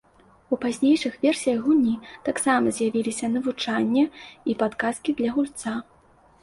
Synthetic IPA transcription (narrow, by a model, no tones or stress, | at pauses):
upazʲnʲejʂɨxvʲɛrsʲijɐɣɣunʲit̪aksamɐzʲjavʲilʲisʲɐnɐvut͡ʂanʲːɐipat̪kaskʲid̪lʲɐɣulʲt̪sa